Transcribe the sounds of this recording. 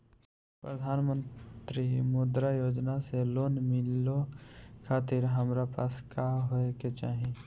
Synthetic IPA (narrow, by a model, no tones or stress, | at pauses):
pɾəd̪ʱaːnmə̃nt̪ɾimoːd̪ɾajoːd͡ʒnaseloːnmɪlokʰaːt̪ɪɾɦəmɾapaːskaɦoeket͡ʃaːɦe